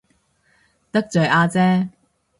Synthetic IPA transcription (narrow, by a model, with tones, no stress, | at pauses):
t̪ɐ˥k̚t͡sœː˨jʔaː˧t͡sɛː˥